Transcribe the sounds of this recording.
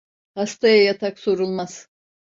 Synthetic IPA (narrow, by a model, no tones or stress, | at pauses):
hast̪ʰajajat̪ʰakso̞ɾulˠmaz̥